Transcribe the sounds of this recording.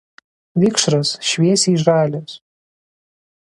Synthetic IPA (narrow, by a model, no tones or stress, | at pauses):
ʋʲɪkʃɾɐsʃʲʋʲiɛsʲiːʒɑːlʲoːs